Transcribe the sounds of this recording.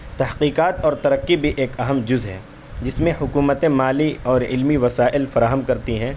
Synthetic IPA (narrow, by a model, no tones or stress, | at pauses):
t̪ɐɦqiːqaːt̪ɔːɾt̪ɐɾəkːibʱiʔeːkɐɦəmd͡ʒʊzɦɛ̰̃ː | d͡ʒɪsmẽhʊkuːmət̪ẽmaːliɔːɾɪ̰lmiʋɐsaːʔɪlfɐɾaːɦəmkɐɾt̪iɦɛ̃ː